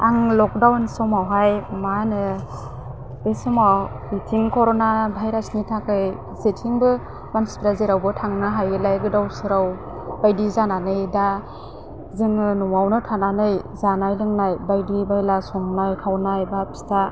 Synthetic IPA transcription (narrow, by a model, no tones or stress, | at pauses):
aŋlɔk̚dawnsɔmawɦajmanɯ | esɔmaw | mitʰiŋkʰɔɾɔnabʱajɾasnitʰakɯj | zetʰiŋbɯ | manspiɾazeɾawbɯtʰaŋnɯɦajɡɯlajɡɯdawsɯɾaw | bajdizananɯjda | zɯŋɯnuwawnɯtʰananɯjzanajlɯŋnajbajdibajlasɔmnajkʰawnajbapi̥stʰa